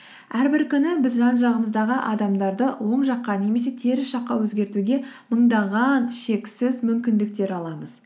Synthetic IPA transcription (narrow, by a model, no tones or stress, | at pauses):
æɾbɪɾkʲʏnɪbɪzʒɑnʒɑʁəməzd̪ɑʁəʔɑd̪ɑmd̪ɑɾd̪əwo̞ɴʒɑqːɑne̞me̞s̬e̞t̪ʰe̞ɾɪsʃɑqːɑwɵzɡʲe̞ɾt̪uɡʲe̞məɴd̪ɑʁɑnʃe̞ksɪzmʏmkʲɪnd̪ɪk̚t̪e̞ɾɑlˠɑməz